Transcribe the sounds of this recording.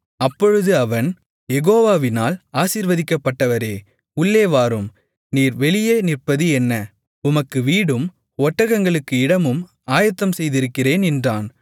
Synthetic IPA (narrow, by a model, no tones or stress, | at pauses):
ɐpːɔɻɯðɯɐʋɐn | jɛɣoːʋaːʋɪnaːlaːsiːɾʋɐðɪkːɐpːɐʈːɐʋɐɾeː | ʊɭːeːʋaːɾɯm | niːɾʋɛɭɪjeːnɪrpɐðɯɛnːɐ | ʊmɐkːɯʋiːɽɯm | ɔʈːɐɣɐŋɡɐɭɯkːɯɪɽɐmɯm | aːjɐt̪ːɐmsɛjðɪɾɯkːɪreːnɛndraːn